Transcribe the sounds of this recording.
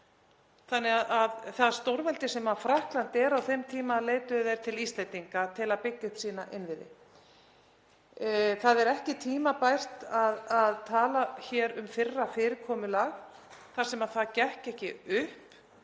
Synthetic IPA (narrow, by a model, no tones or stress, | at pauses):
θanːɛɣaðaðθast̪owɾvɛlt̪ɪsɛmafɾahklant̪ɛɾawθejmt̪ʰiːmaleːjt̪ʏðejɾ̥t̪ʰɪlist̪lent̪iŋkat̪ʰɪlaðpɪcːʏhpsiːnaʔɪnvɪðɪ̰ | θaðɛɾɛhcɪt̪ʰiːmapajr̥t̪aðaðt̪ʰaːlaçɛːɾʏmfɪrːafɪːɾɪɾkʰɔːmʏlaɣ | θḁsɛmaðθaðcɛhcɛhcɪʏhp